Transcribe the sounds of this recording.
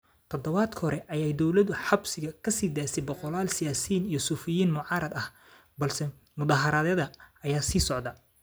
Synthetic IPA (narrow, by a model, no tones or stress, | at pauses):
t̪ʰɔd̪ɔβaːd̪kʰhɔɾɛʔɐjɛjd̪ɔwlɐðʊħɑbsɪɣɐkʰɐsiːd̪aːsɛbɔqɔlaːlsɪjaːsiːnijɞsuːfɪjiːnmʊʕɑːɾɐd̪ɐh | bɐlsɛ | mʊðaːɦɐɾɐðɛðɐɐjaːsiːsɔʕd̪ɐ